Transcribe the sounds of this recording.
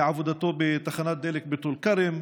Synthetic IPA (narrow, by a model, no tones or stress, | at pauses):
ʕavʊd̪at̪oːbɪt̪axanaːt̪̚d̪aːlɪkbɪt̪uːlkaɾɪm